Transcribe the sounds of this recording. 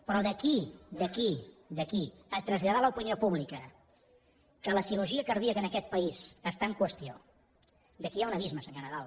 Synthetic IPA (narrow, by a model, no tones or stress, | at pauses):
pɾɔðəkid̪əki | d̪əkiət̪ɾəzʎaðaləupiniopuβlikə | kələsiluʒiəkəɾð̞iəkənəkɛt̪̚pəisəst̪aəŋkwəst̪io | d̪əkiaunəβizməsəŋɡənəðalˠ